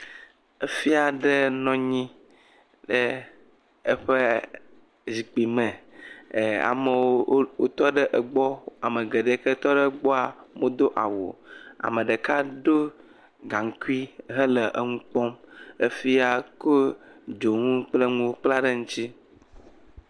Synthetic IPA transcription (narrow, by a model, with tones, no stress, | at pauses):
e˦fi˦a˨ɖə˦nɔ̃˦ɲĩ˦ | ɖe˦ | e˦ɸe˦ | zi˨k͡pi˨mɛ̃˨ | a̰˨me˨wo˦wo̰˦t̪ɔ˦ɖə˦ʔə˨ɡ͡bɔ˦a˨me˨ɡe˨ɖe˨˦kɛ˦t̪ɔ˦ɖɛ˦ɡ͡bɔ˦a˨mo˦d̪o˦ʔa̰˨wo̰˨a̰˨mə̃˨ɖə˨ka˦ɖo˦ | ɡã˨ŋ˨ku˦i˦ɦə˦lə˨ʔə˦ŋũ˦k͡pɔ˦me˦fi˦a˨ko˦d͡ʒo˨ŋũ˦k͡ple˦ŋũ˦wo˦k͡pla˦ɖə˦ŋũ˦t͡ɕi˦